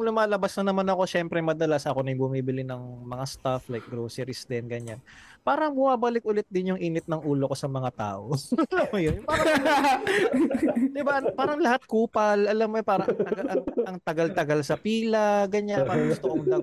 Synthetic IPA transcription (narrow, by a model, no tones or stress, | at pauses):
ŋlʊmaːlɐbasnɐnɐmanɐko̞ʃɛmpɾɛmɐd̪ɐlasʔɐko̞nɐjʊbʊmiːbɪlɪnɐŋmɐŋast̪aflajk̚ɡɾoːsɛɾɪsd̪ɛnɡɐɲan | paːɾɐŋbʊmaːbɐlɪk̚ʔʊlɛt̪̚d̪ɪnjʊŋʔiːnɪt̪̚nɐŋuːlo̞ko̞sɐmɐŋat̪a̰ːʔoɐlɐmːojonjʊpaːɾɐ | d̪ɪbaʔpaːɾɐŋlɐhat̪̚kuːpɐlɐlɐmːoj̪paːɾɐʔ̪ɐɡaʔɐʔɐŋt̪ɐɡalt̪ɐɡalsɐpiːlɐɡɐɲanpaːɾɐŋɡʊst̪okoɐmd̪ɐ